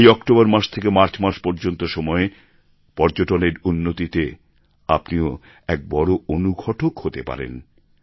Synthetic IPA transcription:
jɔkʈobaɾmaɾʃt̪ʰekemaɾt͡ɕʰmaɾʃpɔɾd͡ʑont̪oʃɔmɔe | pɔɾd͡ʑoʈoneɾunːot̪it̪e | apnio | ɛk̚bɔɾoonuɡʱɔʈokhot̪epa̰ɾḛn

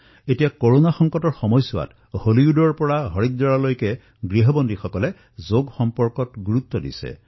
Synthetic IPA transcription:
etijakoɹonaxɔŋkɔtɔɹxɔmɔjsʊwa̰t | holiudɔɹpɔɹaɦɔɹik̚dɔɹalojkɛ | ɡɹiɦɔbɔndixɔkɔlɛ | zoɡxɔmpɔɹkɔtɡuɹut̪ːɔdḭsɛ̰

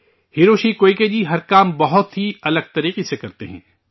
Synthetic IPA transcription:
hiːɾoːʃikoːiked͡ʒiɦɐɾkaːmbɐɦʊt̪ɦiɐləɡ̚t̪ɐɾiːqisekɐɾt̪ḛɦɛ̰̃ː

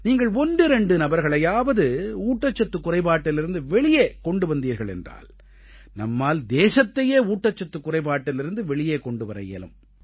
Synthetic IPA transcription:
niːŋɡɐɭɔnɖɯɾɛɳɖɯnɐbɐɾɣɐɭɐjaːʋɐðɯuːʈːɐt͡ʃːɐt̪ːɯkːʊrɐɪpaːʈːɪlɪɾɯnd̪ɯʋɛɭɪjeːkɔɳɖɯʋɐnd̪iːɾɣɐɭɛ̰ndra̰ːl | nɐ̰mːaːld̪eːsɐt̪ːɐjeːuːʈːɐt͡ʃːɐt̪ːɯkːʊrɐɪpaːʈːɪlɪɾɯnd̪ɯʋɛɭɪjeːkɔɳɖɯʋɐɾɐ̰jɛ̰lɯ̰m

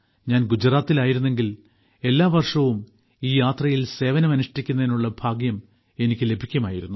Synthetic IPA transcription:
ɲaːnɡud͡ʑraːt̪ːilaːjiɾunːe̞ŋɡil | e̞lːaːʋɐrʂɐʋum | iːjaːt̪rɐjilse̞ːʋɐnɐmɐnuʂɐʈikʲːunːɐðinuɭːɐbʱaːɡjɐm | e̞nikʲːɨle̞bʱikʲːuɐmaːjiɾunːu

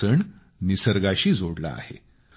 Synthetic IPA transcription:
əɳ | nisəɾɡaɕiːd͡zʱoɽla̰a̰hḛ

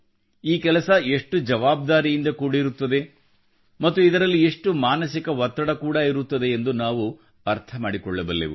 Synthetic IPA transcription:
iːkɛlɐsɐe̞ʂʈud͡ʒɐʋaːb̚d̪aːɾijind̪ɐkuːɽɐiɾut̪ːɐd̪e̞ | mɐt̪ːuid̪ɐɾɐlːieʂʈumaːnɐsikɐʋɔt̪ːɐɽɐkuːɽaːiɾut̪ːɐd̪e̞ːnd̪unaːʋu | ɐɾt̪ʰɐmaːɽikɔɭːɐbɐlːḛʋṵ

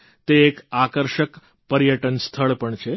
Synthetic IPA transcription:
t̪eːkakəɾʃək | pəɾjəʈənst̪ʰəɭpəɳt͡ʃʰe

